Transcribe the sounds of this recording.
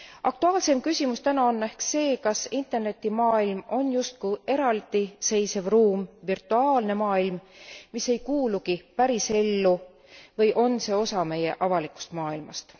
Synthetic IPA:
ʔɑk̚t̪uɑːlse̞mkysʲimust̪ænɑonːæhkse̞ːkɑsint̪ˑe̞rne̞t̪ːˑimɑːilmo̞njust̪̚kuʔe̞ɾɑld̪̥ise̞jse̞vruːmvirt̪ːˑuɑːlne̞mɑːilmmisːe̞jkuːlukipæɾise̞lːu | vɤjʔo̞nse̞ːo̞sɑme̞je̞̰ʔɑvɑlikˑu̥st̪mɑːilmɑ̰st̪

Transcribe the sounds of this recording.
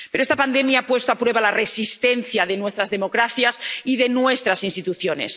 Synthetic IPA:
peɾoest̪apand̪emjaapwe̞st̪oapɾwe̞βalaresist̪en̟θjaðenwest̪ɾazðemokɾaθjasiðenwest̪ɾasinst̪it̪uθjonḛs

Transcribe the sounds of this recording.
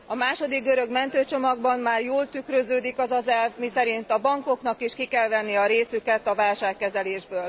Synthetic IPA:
ɒmaːʃo̞d̪iɡ̚ɡøɾø̞ɡmɛnt̪øːt͡ʃo̞mɒɡ̚bɒmːaːrjoːlt̪ykɾøzøːd̪ikɒzɒzɛlvmisɛɾint̪ɒbɒŋko̞knɒkiʃkikɛlvɛnːiɒɾeːsykɛt̪ɒvaːlʃaːkːɛzɛleːʒbøːl

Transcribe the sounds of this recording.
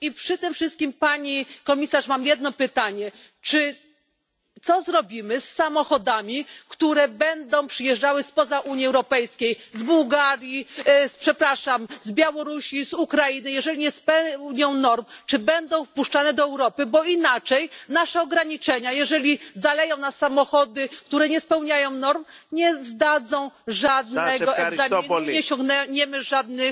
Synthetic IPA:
ipʂɘt̪ɘmfʂɘst̪̚kʲimpaɲikɔmʲisaʂmamjɛd̪̚nɔpɘt̪aɲɛ | t͡ʂɘ | t̪sɔzɾɔbʲimɘsːamɔxɔd̪amʲikt̪uɾɛbɛnd̪ɔ̃w̃pʂɘjɛʐd͡ʐawɘspɔzaʔuɲjiɛwɾɔpɛjskʲejzbuwɡaɾʲjispʂɛpɾaʂamzbʲjawɔɾuɕizukɾajinɘjɛʐɛlʲiɲɛspɛɲɔ̃w̃nɔɾmt͡ʂɘbɛnd̪ɔ̃w̃fpuʂt͡ʂanɛd̪ɔɛwɾɔpɘbɔinat͡ʂɛjnaʂɛɔɡɾaɲit͡ʂɛɲajɛʐɛlʲizalɛjɔ̃w̃nasamɔxɔd̪ɘk̚t̪uɾɛɲɛspɛwɲajɔ̃w̃nɔɾmɲɛzd̪ad̪zɔ̃w̃ʐad̪nɛɡɔɛɡzaminɲɛɕɔ̃ŋɡnɛɲɛmɘʐad̪nɘ

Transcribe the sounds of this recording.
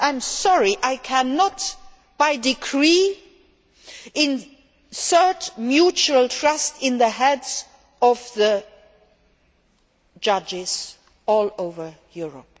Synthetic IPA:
ãɪ̃msɔɹiʔaɪkʰænət̚ | b̥aɪdɨkʰɹi | ɪ̃n | sɜ˞t͡ʃmjut͡ʃuəlˠtʰɹ̥ʌstɪ̃nðəɦɛdz̥ | ʌvðə | d͡ʒʌd͡ʒɪz̥ | ɔlˠoʊvə˞jʊɹə̰p̚

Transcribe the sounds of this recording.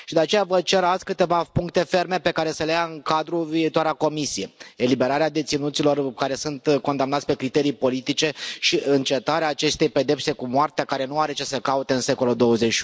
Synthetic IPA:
ʃid̪eat͡ʃe̞javət͡ʃe̞ɾat̪sʲkɨt̪e̞vapuŋkt̪e̞fe̞rme̞pe̞kaɾe̞səlejaɨŋkad̪ɾuviːt̪oaɾako̞misije̞elibe̞ɾaɾead̪e̞t̪sinut̪silo̞rkaɾe̞sunt̪ko̞nd̪amnat̪sʲpe̞kɾit̪e̞ɾijpo̞lit̪it͡ʃe̞ʃiɨnt͡ʃe̞t̪aɾeaːt͡ʃe̞st̪e̞jpe̞d̪e̞pse̞kumoart̪eakaɾe̞nuaɾe̞t͡ʃesəkaut̪e̞ɨnse̞ko̞lud̪o̞wəzei

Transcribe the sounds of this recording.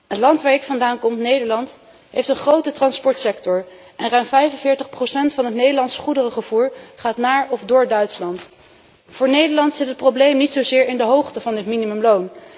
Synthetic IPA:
ətlɑntʋaːɹɪkfɑndaːnkɔmtnejdəɹlɑnt | ɦejftənχrowtətrɑnspɔɹtsɛktɔɹ | ʔɛnrœɥmvɛjfənvɪːɹtəχprosɛntfɑnɦətnejdəlɑntsχudərəχəv̥uːɹχaːtnaːɹɔvdʊːɹdœɥtslɑnt | fʊːɹnejdəɹlɑntsɪtɦət̚prowblejmnitsowzɪːɹɪndəɦowχtəvɑndɪtminimɵmlown

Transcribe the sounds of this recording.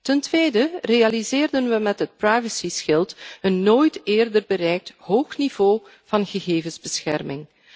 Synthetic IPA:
təntʋeːdəreɑlizeːrdənʋəmɛtɦət̚prajvəsisxɪlˠtənːoːjtɪːrdərbəɾɛjk̚tɦoːxnivoː | v̥ɑnɣəɣeːvənzbəsxɛrmɪŋ

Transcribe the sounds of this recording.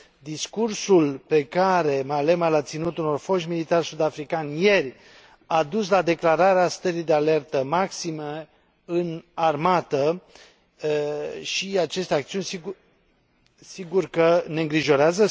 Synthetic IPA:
d̪iskursulpe̞kaɾe̞male̞malat̪sinut̪uno̞rfo̞ʃmilit̪arsud̪afɾikanʲje̞rʲ | ad̪uslad̪e̞klaɾaɾeast̪əɾijd̪eale̞rt̪əmaksime | ɨnarmat̪ə | ʃiat͡ʃe̞st̪eakt̪siunʲsi | siɡurkəne̞ɨŋɡɾiʒo̞ɾeazə

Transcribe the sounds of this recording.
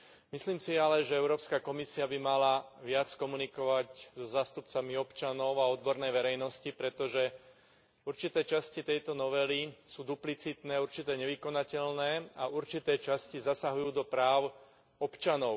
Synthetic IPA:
misliːmsialɛʒɛɛʊɾɔːpskakɔmisiabimalaʋɪat͡skɔmunikɔʋaczɔzaːst̪upt͡samiɔpt͡ʃanɔʊaɔd̪bɔɾnɛjʋɛɾɛjnɔscipɾɛt̪ɔʒɛ | uɾt͡ʃit̪ɛːt͡ʃascit̪ɛjt̪ɔnɔʋɛlisuːd̪uplit͡sit̪nɛːuɾt͡ʃit̪ɛːɲɛʋikɔnacɛʎnɛːauɾt͡ʃit̪ɛːt͡ʃascizasaɦujuːd̪ɔpɾaːʊ | ɔpt͡ʃanɔʊ

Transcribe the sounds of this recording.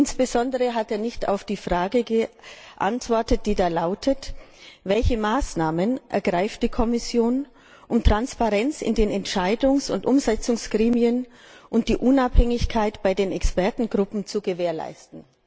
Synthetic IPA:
ʔɪnsb̥əzɔndəʁəɦateːɐnɪçta̰ʊfd̥iːfʁ̥aːɡəɡəʔa̰ntv̥ɔɐtət̚d̥iːdaːlaʊtʰət | vɛlçəmaːsnaːmənʔɛ̰ɐɡʁaɪft̚d̥iːkʰɔmɪsjoːn | ʔʊmtʁ̥anspaʁɛnt͡sɪ̰ndeːnɛntʃaɪdʊŋsʊ̰ntʔʊmzɛt͡sʊŋsɡ̥ʁiːmiən | ʔʊnt̚d̥iːʔʊnaphɛŋɪçkʰaɪtb̥aɪdeːnɛkspɛɐtn̩ɡʁʊpm̩t͡suɡəveːɐla̰ɪstn̩

